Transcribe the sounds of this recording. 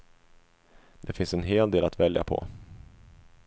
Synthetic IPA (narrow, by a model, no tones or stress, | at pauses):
d̪ɛfɪnsɛnɦeːld̪eːlat̪vɛlja̰pʰɔ̰